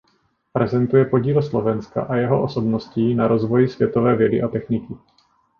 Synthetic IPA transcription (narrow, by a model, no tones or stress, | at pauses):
pɾɛzɛnt̪ujɛpo̞ɟiːlslo̞vɛnska̰ʔajɛɦoʔoso̞bno̞sciːnaɾo̞zvo̞jɪsvjɛt̪o̞vɛːvjɛdɪʔat̪ɛxnɪkɪ